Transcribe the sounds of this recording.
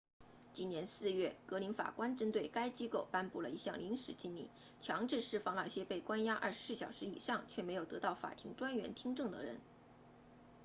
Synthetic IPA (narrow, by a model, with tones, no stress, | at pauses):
t͡ɕi˥njɛ˧˥nsɹ̩˥˧ɥɛ˥˩kɤ˧˥li˧˥nfa̰˨˩kwa˥nʈ͡ʂə˥nt̪we˥˩ɪka˥ɪt͡ɕi˥ko˥˩ʊpa˥npu˥˩lə˩i˧˥ɕjɑ˥˩ŋli˧˥ŋʂɻ̩˨˩t͡ɕi˥nlḭ˥˩˦ | t͡ɕʰjɑ˧˥ŋʈ͡ʂɻ̩˥˧ʂɻ̩˥˩fɑ˥˩ŋla˥˩˥ɕjɛ˥pe˥˩ɪkwa˥nja˥ʔɐ̰˥˩ʂɻ̩˧˥sɹ̩˥˩ɕjɑ˨˩ʊʂɻ̩˧˥ḭ˨˩ʂɑ˥˩ŋt͡ɕʰɥɛ˥˩me˧˥ɪjo˨˩ʊt̪ɤ˧˥t̪ɑ˥˩ʊfa̰˨˩t̪ʰi˧˥ŋʈ͡ʂwa˥nɥɛ˧˥nt̪ʰi˥ŋʈ͡ʂɤ˥˩ŋd̪ə̰˩ɻə̰˧˥n